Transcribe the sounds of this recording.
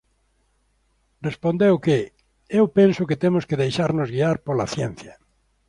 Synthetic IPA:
respõnd̪ewke | ewpensoket̪emoskeðejʃaɾnozɣiaɾpola̰θjen̟θja

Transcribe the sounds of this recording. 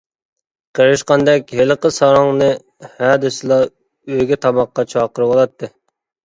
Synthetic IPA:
qʰəɾɪʃqɑnd̪ɛkʲɦelˠəqəsɑɾɑŋnɨ | hæd̪ɪsɨlˠɑ | øɡʲɛt̪ʰɑmɑqːɑt͡ʃʰɑːqəɾɨwolˠɑt̪ʰːɨ

